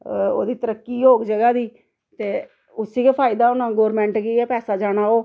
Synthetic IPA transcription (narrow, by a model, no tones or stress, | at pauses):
o̰ːd̪iːt̪əɾəkːiːoːɡd͡ʒəɡaːd̪iː | t̪eː | ʊsiːkeːpʰaːɪd̪aːʊnãːɡoːɾmɛ̃ːɳʈɡiɛːpɛːsaːd͡ʒaːɽ̃aːoː